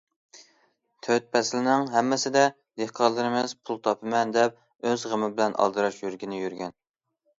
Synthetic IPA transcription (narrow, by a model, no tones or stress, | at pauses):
t̪ʰøt̪̚pʰɛslɪnɪŋɦɛmːɪsɪd̪ɛ | d̪ehqʰɑɾlˠɨɾɪmɪzpʰulˠt̪ʰɑpʰɨmɛnd̪ɛp̚ | øzʁəmɪbɪlɛnʔɑ̰lˠd̪ɨɾɑʃjyɾɡʲɪnɪjyɾɡʲɛn